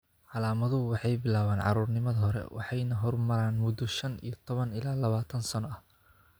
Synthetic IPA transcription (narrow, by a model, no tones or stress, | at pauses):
ʕɑlaːmɐðʊʊwɑħɑjbɪlaːβaːnʕɑ̰ɾuːrnɪmɐðɐɦɔɾɛ̰wʔɑ̰ħɑjnɐɦɔrmɐɾaːnmʊd̪ɔʃɐnḭjɔt̪ʰɔβɐnɪlaːlɐβaːt̪ʰɐnsɐnɔɐh